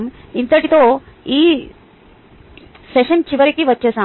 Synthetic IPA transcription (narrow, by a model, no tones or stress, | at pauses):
mint̪əʈit̪o | i | seɕənt͡ɕiʋəɾekiʋət̪ːɕesã